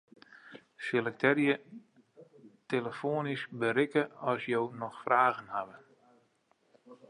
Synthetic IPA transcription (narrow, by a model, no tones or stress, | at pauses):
selək̚tʰɛrjə | teləfoənisbəɾɪkəɔsjoːnɔxfrʔaːɣənhaʋə